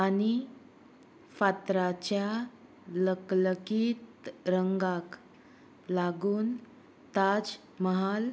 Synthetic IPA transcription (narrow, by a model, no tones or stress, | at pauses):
ani | fat̪ɾat͡ɕja | ləkləkiːt̪ɾəŋɡak | laɡuːn | t̪ad͡z | məɦal